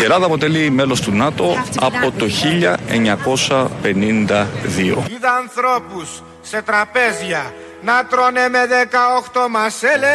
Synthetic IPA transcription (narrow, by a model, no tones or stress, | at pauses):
ie̞lɐðɐːpo̞t̪e̞lime̞lo̞st̪unɐt̪o̞ɐ̰po̞t̪o̞çiʎɐe̞̰ɲɐko̞sɐpe̞nind̪ɐðio̰iðɐːnθɾo̞pusː | e̞t̪ɾɐpe̞zʝɐ | nɐt̪ɾo̞nemeðekɐoxt̪o̞mɐsele